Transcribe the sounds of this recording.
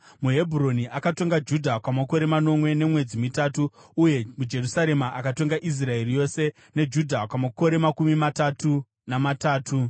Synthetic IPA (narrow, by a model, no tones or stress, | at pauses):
muɦe̞bʱuɾo̞niʔakato̞ŋɡad͡ʒudʱakwamako̞ɾe̞mano̞mwe̞ne̞mwe̞d͡zimitaːtuːje̞mud͡ʒe̞rusaɾe̞maʔakato̞ŋɡaʔis̬rae̞rijo̞se̞ | ne̞d͡ʒudʱakwamako̞ɾe̞makumimatatʰu | namataːtʰu